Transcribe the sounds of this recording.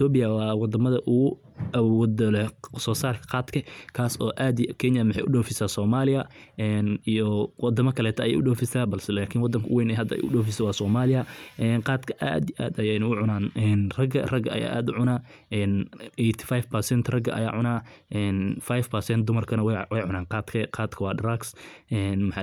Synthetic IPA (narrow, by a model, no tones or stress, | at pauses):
t̪ʰɔːbɪjɐwɑːwɑd̪ɐmɐðɐʔʊɣʊ | ɐwd̪lɛsɔːsaːrkʰɐ̥qɑːd̪kʰɐkʰaːsɔːʔaːd̪kʰɛnjɐmɪħɛ̰jʔʊ̰ɖɔːfɪsaːsɔːmaːlɪɐɛnijɔwɔd̪ɐmɐkʰɐlɛːt̪ʰɐɐjɛ̰ːʔʊɖɔːfɪsaːbɐlsɛlaːkʰɪnwɑd̪ːɐŋkʰɐwɛjnɛɦɐd̪ɐɛ̰jʊ̰ɖɔːfɪsɛwɑːsɔːmaːlɪjɐʔɛːnqɑːd̪kʰɐ̥ʔa̰ːd̪iʔa̰ːd̪ɐjɛnʊʊʕʊnaːnɛːnrɐɡɐrɐɡɐɐ̰ja̰ːʔaːd̪ʊʕʊnaː | ɛːnɛjt̪ʰi̥fajfpɐsɛnt̪ʰrɐɡɐʔɐ̰ja̰ːʕʊnaːʔɛːnfajfpɐrsɛnd̪ʊmɐrkʰɐnɐwwɛjʕʊnaːqɑːd̪kʰɐqɑːd̪kʰɐwɑːɖɾaɡsɛːnmħ